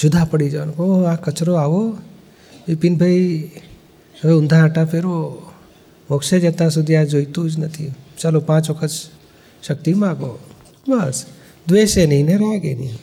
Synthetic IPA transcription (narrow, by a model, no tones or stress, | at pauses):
sʊd̪ʱapəɽid͡ʒankãkət͡ʃɾoaːʋo | ʋipinbʱəi | eʊ̃nd̪ʱaːʈãpʰeɾo | ʋɔkʃed͡ʒet̪ãs̬ud̪ʱijãd͡ʒoit̪ud͡ʒnət̪ʰit͡ʃalopãːt͡ʃʋəkʰəs | ʃək̚t̪imaːɡo | bəs | d̪ʋeːʃenineɾaɡḛnḭ